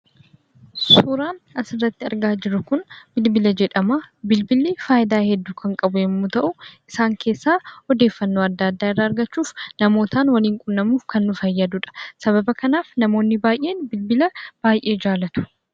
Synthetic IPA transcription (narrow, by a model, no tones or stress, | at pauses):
suːɾaːnɐsɪrːɐt̪ːɪɐ̰ɾɡaːd͡ʒɪɾʊkʊnbɪlbɪlɐd͡ʒɛᶑɐmaːbɪlbɪlːiːfaːʔɪd̪aːhɛd̪ːuːkʰɐŋkʼɐbʊɛmːut̪ɐʔʊʔɪsaːŋkʰe̞ːsːaːɔd̪e̞ːfːɐnːo̞ːɐd̪ːaɐd̪ːaːɪrːaːɐɾɡɐt͡ʃːuːfnɐmo̞ːt̪aːnwɐliːŋkʼʊnːɐmuːfkɐnːʊfɐjːɐd̪ʊᶑɐ̥sɐβɐbɐkɐnaːfnɐmo̞ːnːɪbaːjʔe̞ːnbɪlbɪlɐb̥aːjʔe̞ːd͡ʒaːlɐt̪ʊ̥